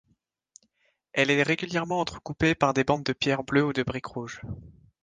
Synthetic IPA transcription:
ɛlɛʁeɡʲyljɛʁmɑ̃ɑ̃t̪χəkupepaʁd̪ebɑ̃d̪̚əpjɛʁbløud̪əbʁikʁuʒ

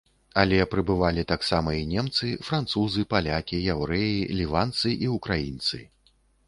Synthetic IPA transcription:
alʲɛpɾɨbɨvalʲit̪aksamɐinʲɛmt̪sɨfɾant̪suzɨpalʲakʲijawɾɛjilʲivant̪sɨʔiukɾajint̪sɨ̰

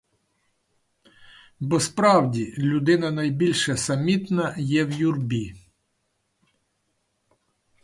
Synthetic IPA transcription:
bɔspɾɑwdʲilʲʊd̪ɪnɐnɐjbʲilʲʃɛsɐmʲit̪nɐjɛwjurbʲi

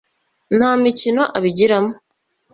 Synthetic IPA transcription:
n̥haːmicino̞ʔaβiɟiɾamo

